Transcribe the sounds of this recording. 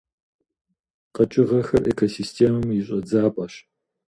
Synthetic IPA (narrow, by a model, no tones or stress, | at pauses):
qɐt͡ʃʼɪʁɐxɐrʔeːkʰosistʰeːmɐmjɪɕʼɐd͡zaːpʼɐɕ